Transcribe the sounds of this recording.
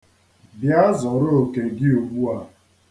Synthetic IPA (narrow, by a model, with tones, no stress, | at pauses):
bja˦zɔ˨ɾʊ˦o˨ke˨ɡɪ˦o˨ɡ͡bu˦a˨